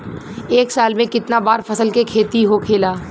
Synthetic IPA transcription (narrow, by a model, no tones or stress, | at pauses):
eːksaːlmẽkɪt̪nabaːɾfʰɐsəlkekʰeːt̪iɦokʰeːlaː